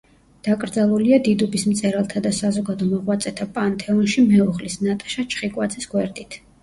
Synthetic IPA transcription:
d̪̥akʼɾd̪zalˠuliad̪id̪ubismt̪sʼɛɾalˠt̪ʰad̪asazɔɡad̪ɔmɔʁwat̪sʼɛt̪ʰapʼant̪ʰʼɛɔnʃimɛɔʁlisnat̪ʼḁʃat͡ʃʰχikʼwad̪zɛsɡwɛɾd̪ʼit̪ʰ

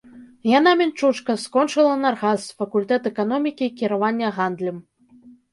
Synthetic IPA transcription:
janamʲɛnt͡ʂut͡ʂkɐskɔnt͡ʂɨlˠɐnarɣasfɐkulʲt̪ɛt̪ɛkan̪ɔmʲikʲikʲiɾavanʲːɐɣand̪lʲim

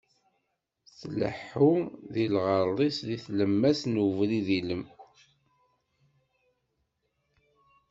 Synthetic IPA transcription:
θlə̰ħːuðilʁəɾˤlˤisðiθləmːæsnuvliðiləm

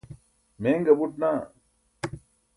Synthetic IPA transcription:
meːŋɡɐbuʈnaː

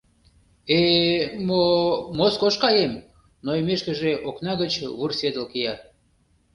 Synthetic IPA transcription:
emomoskoʃkɑjem | noimeʃkə̆ʒeʔoknɑɣət͡ɕβursʲed̪əlkijɑ

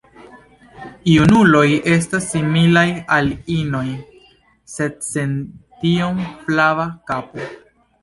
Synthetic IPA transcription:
iunulo̞je̞s̬tasːimilajalino̞j | se̞d̚se̞ntiomplavakapo

